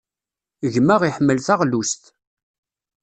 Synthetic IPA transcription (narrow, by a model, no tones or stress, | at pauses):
ʝməʁiħmːəlθæʁlust̪